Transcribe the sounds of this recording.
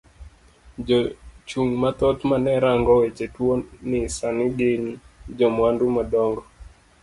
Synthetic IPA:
d͡ʒɔt͡ʃuŋmat̪ɔt̪manɛɾaŋɡɔwet͡ʃetwonɪsanɪɡɪnd͡ʒɔmwandumadɔŋɡɔ

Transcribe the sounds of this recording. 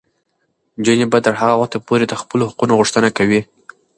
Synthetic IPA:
d͡ʒənebat̪əɾɦaɣawaxt̪apoɾed̪əxpəlohaqunoɣuʂt̪ənakawi

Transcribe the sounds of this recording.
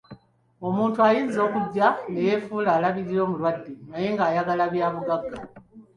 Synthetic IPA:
o̞muːntuajizo̞ːkuɟːane̞je̞fuːlaːlaβiɾiɾo̞ːmulwadːenaje̞ːŋɡaːjaɡalaβjaːβuɡaɡːa

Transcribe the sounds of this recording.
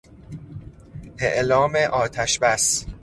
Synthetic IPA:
ʔeʔlɒːmeʔɒːt̪ʰæʃbæs

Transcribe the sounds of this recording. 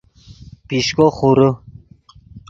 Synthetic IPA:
piɕkoχuɾə

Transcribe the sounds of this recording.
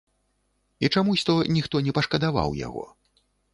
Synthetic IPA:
it͡ʂamusʲt̪ɔnʲixt̪ɔnʲɛpɐʂkɐd̪ava̰wja̰ɣɔ̰

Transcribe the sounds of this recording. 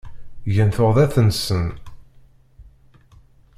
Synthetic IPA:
ʝənθʊʁðæθənsən

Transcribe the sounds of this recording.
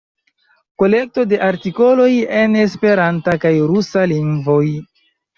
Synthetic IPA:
ko̞le̞k̚to̞de̞ʔaɾtiko̞lo̞je̞nespe̞ɾantakajɾusaliŋɡɡvo̞j

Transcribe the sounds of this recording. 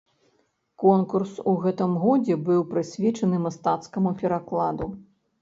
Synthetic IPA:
kɔnkursuɣɛt̪ɨmɣɔd͡zʲɛbɨwpɾɨsʲvʲɛt͡ʂɐnɨmast̪at̪skɐmupʲɛɾaklˠad̪u

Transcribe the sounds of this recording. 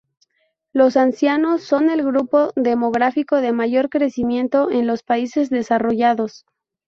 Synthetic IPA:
lo̞sansjano̞sːo̞ne̞lɣɾupo̞ðe̞mo̞ɣɾafiko̞ðe̞maʝo̞ɾkɾe̞simjẽ̞nt̪o̞ʔenlo̞spaise̞zðe̞saro̞ʝaðo̞s

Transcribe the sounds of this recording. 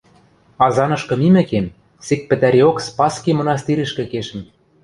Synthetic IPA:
ɑzɑnɤ̆ʃkɤ̆mimɘ̆kem | sek̚pɘ̆t̪æɾeokspɑskemɤ̆nɑst̪iɾɘ̆ʃkɘ̆keʃɘ̆m

